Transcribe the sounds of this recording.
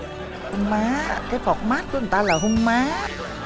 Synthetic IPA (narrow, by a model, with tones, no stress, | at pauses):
ʊ˧ŋmaː˨˦˧kaː˨˦jfɔ˨˩k͡p̚maː˦˥t̚ku˨˦n˨˩t̪aː˧laː˨˩ɦʊ˧ŋmaː˨˦